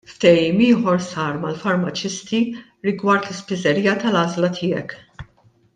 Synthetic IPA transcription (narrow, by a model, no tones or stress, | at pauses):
ft̪ɛjiːmɪːħɔɾsɐːɾmɐlfɐɾmɐt͡ʃɪst̪i | ɾɪɡwɐɾt̪lɪspɪzɛɾiːjɐt̪ɐlɐːzlɐt̪ʰɪːɛ̰k